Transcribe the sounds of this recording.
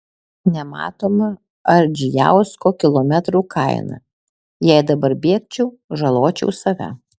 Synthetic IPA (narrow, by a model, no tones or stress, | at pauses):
nʲɛmɑ̰ːt̪oːmɐ | ɐɾd͡ʒʲɪjæ̰ˑʊskoːkʲɪlˠoːmʲɛt̪ɾuːkʰɐɪnɐ̰ | jɛɪd̪ɐbɐɾbʲeɛk̚t͡ʃʲɛʊ | ʒɐlˠoːt͡ʃʲɛ̰ʊsɐʋʲæ̰